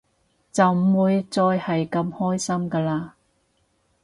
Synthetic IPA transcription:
t͡sɐ˨wm̩˨˩wuː˨˧jt͡sɔː˧jhɐ˨jkɐ˧mhɔː˥jsɐ˥mkaː˧laː˧

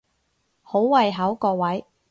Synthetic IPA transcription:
ho˨˥wwɐ˨˧jɦɐ˨˥wkɔː˧wɐ˨˥j

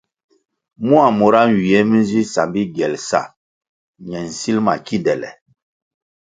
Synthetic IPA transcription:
mu˦a˨mo˨ɾa˦n˨wi˨ɛ˦mi˦n˦zi˦sa˨mbi˦ɡɛ˨lsa̰˦˨ | ɲɛ˨n̩˨si˦lma̰˨ki˦ndɛ˨lɛ̰˨

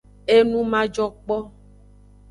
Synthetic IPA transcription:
e˦nũ˦mã˦d͡ʒɔ˦k͡pɔ˦

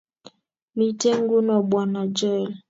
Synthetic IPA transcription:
mi˨te˦ŋ˦ɡu˦nɔ˨bwa˨na˨d͡ʒɛ˦˨l

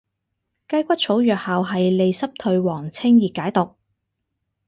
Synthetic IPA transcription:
kɐ˥jkʷɐ˥t̚t͡sʰo˨˥wjœː˨k̚haː˨wɦɐ˨jle˨jsɐ˥p̚t̪ʰɵ˧ɥwɔː˨˩ŋt͡sʰɪ˥ŋjiː˨kːaː˨˥jt̪ʊ˨k̚

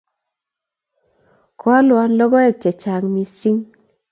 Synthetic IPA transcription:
kɔ˦a˦lwa˦nlɔ˦ɡɔ˦ɛ˨t͡ʃɛ˨t͡ʃa˨ŋmi˨si˦ŋ

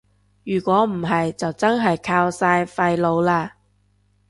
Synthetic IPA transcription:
jyː˨˩kʷɔː˨˥m̩˨˩ɦɐ˨jt͡sɐ˨wt͡sɐ˥nɦɐ˨jkʰaː˧wsaː˧jfɐ˧jlo˨˧wlaː˧

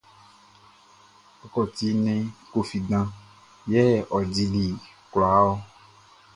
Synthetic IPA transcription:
ɔ˨kɔ˨t̪i˦nɛ̃˦ko˦fi˨dã˦ | jɛ˦˨ʔɔ˨di˦li˨ | kla˨˦wɔ˦

